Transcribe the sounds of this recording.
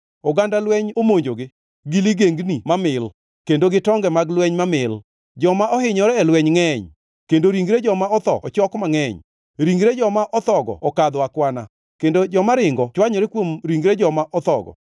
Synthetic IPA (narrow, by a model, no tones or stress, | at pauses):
oɡandalwɛɲomoɲd͡ʒoɡɪ | ɡiliɡeŋɡnimamɪl | kendoɡɪtɔŋɡɛmaɡlwɛɲmamɪl | d͡ʒɔmaʔɔhɪɲɔɾɛːlwɛɲŋɛɲ | kendoɾiŋɡɾed͡ʒɔmaɔt̪ɔ̰ɔt͡ʃɔkmaŋɛɲ | ɾiŋɡɾed͡ʒɔmaʔɔt̪ɔɡɔ̰ɔkad̪akwana̰ | kendod͡ʒɔmaɾɪŋɡɔt͡ʃwaɲɔɾekwomɾiŋɡɾed͡ʒɔmaʔɔt̪ɔɡɔ̰